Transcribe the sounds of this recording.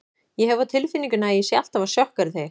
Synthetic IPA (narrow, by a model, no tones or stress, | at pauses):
jɛɦɛvat̪ʰɪlfinːiŋkʏnajɛsjɛal̥t̪avḁsjœhkaɾɪθej